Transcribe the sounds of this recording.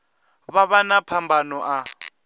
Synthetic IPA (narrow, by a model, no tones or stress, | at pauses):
βaβanapʰambʱanɔʔa